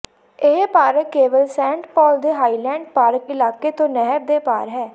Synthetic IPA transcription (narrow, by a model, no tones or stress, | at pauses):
ɪɦpaːɾəkːeːʋəlsɛ̃ːɳʈpɔːld̪eːɦaːiːlɛ̃ːɳɖpaːɾəkɪlaːkeːt̪õːnɛɦəb̚d̪eːpaːɾɦɛː